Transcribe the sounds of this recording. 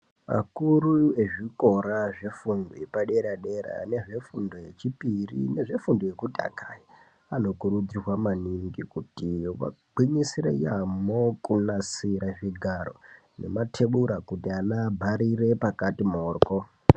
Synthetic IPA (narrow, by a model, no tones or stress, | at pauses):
ma̰kurue̞ʐiko̞ɾaʐe̞fundo̰jepaɗe̞ɾaɗe̞ɾa̰ne̞ʐe̞fundoje̞t͡ʃipirḭne̞ʐe̞fundoje̞kutʼa̰kʰaji | ano̞kuɾud͡zirwamaniŋɡikutiʋa̰ɡ͡bʱiɲisiɾḛjamokunasiɾaʐiɡʱaro̞̰ | ne̞̰matʰeɓuɾakutianabʱaɾire̞pakatimoːrko